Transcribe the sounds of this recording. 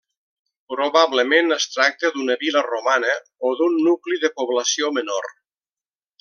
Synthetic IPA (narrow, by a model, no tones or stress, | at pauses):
pɾoβaβləmenəst̪ɾak̚t̪əd̪unəβilərumanə | oðunːukliðəpoβləsiomənor